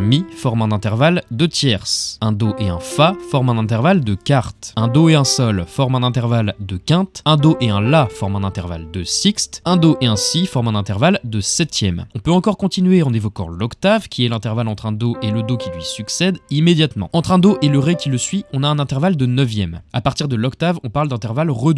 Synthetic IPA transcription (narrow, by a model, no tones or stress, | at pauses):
mifɔʁmɛ̃nɛ̃t̪ɛʁvald̪ət̪jɛʁsɛ̃d̪oʔeɛ̃fafɔʁmɛ̃nɛ̃t̪ɛʁvald̪əkaʁt̪ɛ̃d̪oeɛ̃sɔlfɔʁmɛ̃nɛ̃t̪ɛʁvald̪əkɛ̃t̪ɛ̃d̪oʔeɛ̃lafɔʁmɛ̃nɛ̃t̪ɛʁva̰ld̪əsikst̪ɛ̃d̪oʔeɛ̃sifɔʁmɛ̃nɛ̃t̪ɛʁvald̪əsɛt̪jɛmɔ̃pøɑ̃kɔʁkɔ̃t̪inyɥeɑ̃nevɔkɑ̰̃lɔkt̪avkʲiɛlɛ̃t̪ɛʁvalɑ̃t̪χɛ̃d̪oʔeləd̪okʲilɥisyksɛd̪imed̪jat̪mɑ̰̃ɑ̃t̪χɛ̃d̪oʔeləʁɛkʲiləsɥiɔ̃naɛ̃nɛ̃t̪ɛʁvald̪ənœvjɛma̰paʁt̪iʁd̪əlɔkt̪avɔ̃paʁld̪ɛ̃t̪ɛʁvalʁəd̪